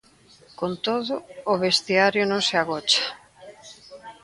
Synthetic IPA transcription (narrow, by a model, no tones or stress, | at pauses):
kont̪oðʊːβest̪iaɾjʊnõŋseaɣɔt͡ʃḁ